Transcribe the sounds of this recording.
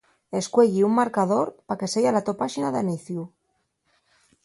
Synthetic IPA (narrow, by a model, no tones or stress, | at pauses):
e̞skwe̞ʎiummaɾkað̞o̞ɾpake̞sejalat̪opaʃinaðaniθju